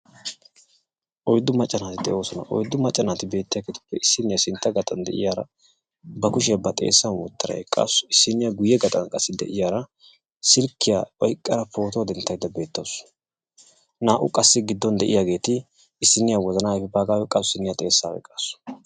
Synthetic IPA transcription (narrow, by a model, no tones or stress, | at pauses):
ʔɔjd̪ːʊmɐt͡ʃʼːɐnaːt̪ɪd̪ɛʔo̞ːsɔnɐ̰ʔɔ̰jd̪ːʊmɐt͡ʃʼːɐnaːt̪ɪbe̞ːt̪ːɪjɐɡet̪ɪ̥pːɛɪsːɪnːɪjasɪnt̪ːɐɡɐt̪ʼɐnd̪ɛ̰ʔɪ̰jaːɾɐ̰ | bɐkʊʃ̬ɪjɐbɐt̪ʼe̞̰ːsːɐnwɔt̪ːɐɾɐ̰ɛkʼːa̰ːsʊ̥ɪsːɪnːɪjaɡʊjːɛɡɐt̪ʼɐ̰nkʼɐsːɪd̪ɛ̰ʔɪjaːɾɐ | sɪlkːɪjaʔɔjkʼːɐɾɐpʰo̞ːt̪od̪ɛnt̪ːɐjd̪ːɐbe̞ːt̪ːɐs | naːʔʊ̰kʼɐsːɪɡɪd̪ːɔnd̪ɛʔɪ̰jaɡe̞ːt̪ɪ | ɪsːɪnːɪjawɔzɐnaːfɛbaːɡaːwɛkʼɐsʊsɪnːɪjat̪ʼe̞ːsːaːwɛ̰kʼːaːsʊ̥